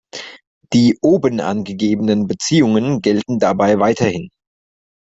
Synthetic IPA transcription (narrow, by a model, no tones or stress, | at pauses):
d̥iːʔoːbənʔa̰nɡəɡeːbənənbət͡siːʊŋənɡɛltn̩dabaɪvaɪtʰɐhɪn